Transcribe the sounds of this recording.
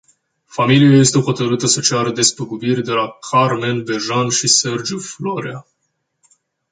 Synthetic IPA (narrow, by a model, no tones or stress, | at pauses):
familijaje̞st̪exo̞t̪əɾɨt̪əsət͡ʃaɾəd̪e̞spəɡubirʲd̪e̞lakʰarme̞nbe̞ʒanʃise̞rd͡ʒuflo̞ɾea